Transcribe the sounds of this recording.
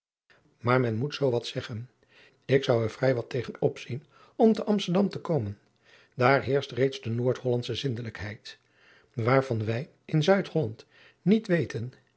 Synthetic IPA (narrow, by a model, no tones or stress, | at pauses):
maːɹmɛnmutsowʋɑtsɛχən | ɪksʌwɛɹv̥rɛjʋɑtejχənɔpsin | ɔmtəʔɑmstəɹdɑmtəkowmən | daːɹɦɪːɹstrejtzdənoːɹtɦɔlɑntsəzɪndələkɦɛjt | ʋaːɹv̥ɑnʋɛj | ɪnzœɥtɦɔlɑnt | nitʋejtən